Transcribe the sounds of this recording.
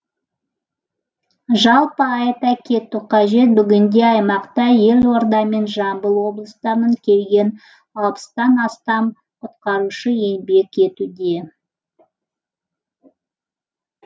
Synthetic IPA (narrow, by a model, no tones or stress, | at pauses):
ʒɑlˠpəɑjt̪ɑkʲʰe̞t̪uqʰɑʒe̞t̪̚bʏɡʲɪnd̪e̞ɑjmɑqt̪ɑje̞lwo̞ɾd̪ɑme̞nʒɑmbəlˠwo̞blˠəst̪ɑməɴkʲʰe̞lɡʲe̞n | ɑlˠpə̥st̪ɑnɑst̪ɑm | qʰʊt̪qɑɾuʃəje̞nbe̞kʲe̞t̪ud̪e̞